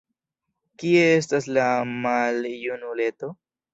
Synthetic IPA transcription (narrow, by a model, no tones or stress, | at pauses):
kiees̬taslamaljunulet̪o